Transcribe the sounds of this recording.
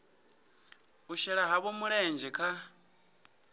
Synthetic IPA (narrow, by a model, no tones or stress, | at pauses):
uʃɛɺaɦaβɔmuɺeːnd͡ʒɛkʰa